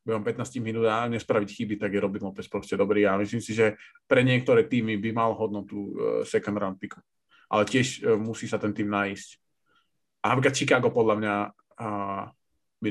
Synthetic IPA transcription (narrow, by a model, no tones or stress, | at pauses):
bɛɔmpɛt̪naːsciminuːt̪aɲɛspɾaʋicxibit̪aɡjɛɾɔbinlɔpɛspɾɔscɛd̪ɔbɾiːamislimsiʒɛpɾɛɲɪɛk̚t̪ɔɾɛːt̪iːmibimalɦɔd̪nɔt̪usɛkɔnd̪ɾant̪p̪iku̥ | ʔa̰lɛcɪɛʃmusiːsat̪ɛnt̪iːmnaisc | anapɾikat̪t͡ʃikaːɡɔpɔd̪lamɲa | bi